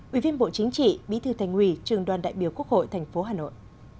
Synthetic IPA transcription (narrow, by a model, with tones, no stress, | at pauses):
ʔwi˧˩vi˧ənɓo̰˧˨t͡ɕï˨˦ŋ̟t͡ɕḭ˧˨ɓḭ˧˥t̪ɨ˨˩t̪ʰa˨˩jŋ̟hwi˧˨˩t͡ɕɨ˨˩əŋɗwaː˨˩nɗa̰ː˧˨jɓi˨˩əwku˦˥ək̚ho̰˧˨jt̪ʰɛ˨˩jŋ̟fo˨˦ɦaː˨˩no̰˧˨jʔ